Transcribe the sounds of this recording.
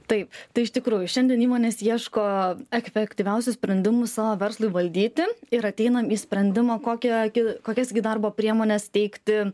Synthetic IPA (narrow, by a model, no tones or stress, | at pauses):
t̪ɐɪpt̪ɐɪɪʃt̪ʲɪkɾuːjʊʃʲɛnʲd̪ʲiɛniːmoːnʲeːsiɛʃkoːɛkfʲɛkt̪ʲiʋʲɛʊsʲʊsʲpʲɾʲɛnʲd̪ʲɪmʊssɑːʋoːʋʲɛɾslˠʊɪʋɐlʲd̪ʲiːt̪ʲɪɪɾɐt̪ʲɛɪnɐmiːsʲpʲɾʲɛnʲd̪ʲɪmɐkoːkʲɛɡʲɪkoːkʲɛsɡʲɪd̪ɐrboːpʲɾʲiɛmoːnʲɛst̪ʲɛɪkt̪ʲɪ